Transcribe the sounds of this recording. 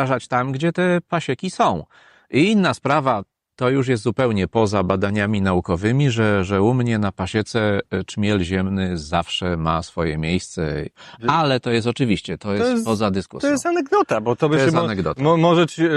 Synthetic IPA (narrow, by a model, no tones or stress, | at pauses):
aʐat͡ɕt̪amɡd͡ʑɛt̪ɛpaɕɛkʲisɔ̃w̃ | iinːaspɾava | t̪ɔjuʂ̬jɛst̪zupɛwɲɛpɔzabad̪aɲamʲinaukɔvɘmʲiʐɛʐɛumɲɛnapaɕɛt̪sɛt͡ʂmʲɛlʑɛmnɘzafʂɛmasfɔjɛmʲejst̪sɛ̰alɛt̪ɔjɛs̬t̪ɔt͡ʂɘvʲiɕt͡ɕɛt̪ɔjɛspɔzad̪ɘskṵsjɛsanɛɡd̪ɔt̪abɔt̪ɔbɪɛst̪anɛɡd̪ɔt̪ɔmɔʐɛt͡ɕ